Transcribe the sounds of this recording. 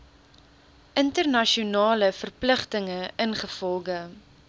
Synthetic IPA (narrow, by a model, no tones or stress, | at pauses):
ʔəntərnɐʃiunɑːləfərpləχtəŋəʔənχəfɔlˠχə